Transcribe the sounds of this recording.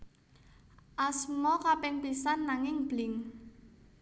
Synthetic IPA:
ʔasmɔkapɪŋpisanːaŋɪŋb̥lɪŋ

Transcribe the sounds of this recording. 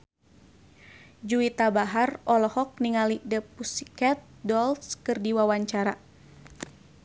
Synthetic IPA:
d͡ʒuit̪abaɦarɔlɔhɔk̚niŋalidəpusikɛt̪̚dɔlskɨrdiwawaɲt͡ʃaɾa

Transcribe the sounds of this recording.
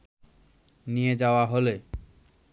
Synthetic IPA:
nijed͡ʑaoaɦole

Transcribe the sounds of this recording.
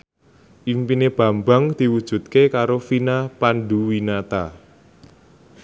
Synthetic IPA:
ʔimpineb̥a̤mbaŋd̪̥i̤wud̥ʒ̥ṳt̪̚kekaɾofinapanɖuwinat̪a

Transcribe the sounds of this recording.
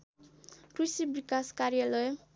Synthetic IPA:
kusibikaskaɾjalʌj

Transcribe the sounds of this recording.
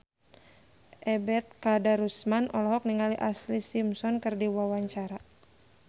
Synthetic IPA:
ʔɛbɛt̪̚kadaɾusmanɔlɔɦɔk̚niŋaliʔaslisimsɔnkɨrdiwawaɲt͡ʃaɾa

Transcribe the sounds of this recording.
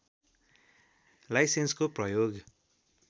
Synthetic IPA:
lajsenskoprʌjoɡ

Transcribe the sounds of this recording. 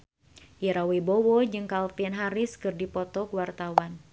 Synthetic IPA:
jiɾawibowɔd͡ʒɨŋkalpianɦaɾɪskɨrdipɔt̪ɔkuwart̪awan

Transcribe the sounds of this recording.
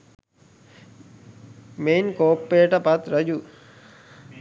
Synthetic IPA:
meːnkoːpːeːʈɐpɐt̪ɾəd͡ʑu

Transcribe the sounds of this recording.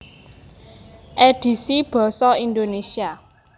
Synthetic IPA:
ʔɛd̥i̤sib̥ɔ̤sɔindonesia

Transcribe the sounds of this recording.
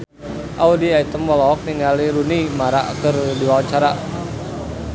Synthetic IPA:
ʔaudiait̪əmɔlɔk̚niŋaliɾunimaɾaʔkərdiwawat͡ʃaɾa

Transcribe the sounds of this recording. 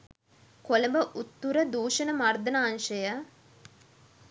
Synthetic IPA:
koləmbəʔut̪ːuɾəd̪uːʃənəmard̪ənaːnʃəjə

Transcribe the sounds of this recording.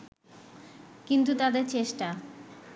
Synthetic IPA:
kint̪ut̪ad̪eɾt͡ɕeʃʈa

